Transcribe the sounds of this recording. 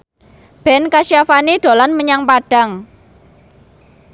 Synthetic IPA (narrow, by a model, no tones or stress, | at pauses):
b̥ɛ̤nkaʃiafaniɖ̥o̤lanməɲaŋpaɖ̥a̤ŋ